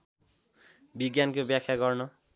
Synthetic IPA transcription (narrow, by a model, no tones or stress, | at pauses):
biɡjankobjakʰjaɡʌrnʌ